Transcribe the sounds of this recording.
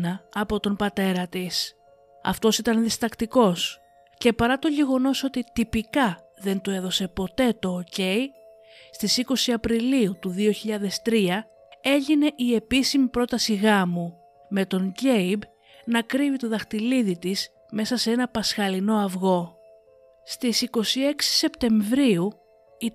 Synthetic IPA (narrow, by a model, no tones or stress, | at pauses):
nɐɐpo̞t̪o̞mbɐt̪e̞ɾɐt̪is | ɐ̰ft̪o̞sit̪ɐnðist̪ɐkt̪iko̞s | ce̞pɐɾɐt̪o̞ʝe̞ɣo̞no̞so̞t̪it̪ipikɐ | ðe̞nt̪ue̞ðo̞se̞po̞t̪e̞t̪o̞ːce̞i | st̪isiko̞siɐpɾiliut̪uðio̞çiʎɐðe̞st̪ɾiɐ | e̞ʝine̞ʔie̞pisimipɾo̞t̪ɐsiɣɐmu | me̞t̪o̞ɲɟe̞jib | nɐkɾivit̪oðɐxt̪iliðit̪is | me̞sɐsee̞nɐpɐsxɐlino̞ɐvɣo̞ | st̪isiko̞sie̞ksi̥se̞pt̪e̞ɱvɾiu | i